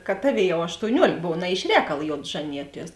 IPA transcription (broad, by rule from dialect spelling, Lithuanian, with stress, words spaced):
kɐt ˈtɑːˌʋʲeːɪ ˈjɛʊ ɐʃtoːʊˈnʲuɔlʲeːk ˈboːw nɐ ɪʃ ˈrʲɛːkɐlˠ ˈjoːt ˈʒɑːnʲɪjuɔˌtʲiɛs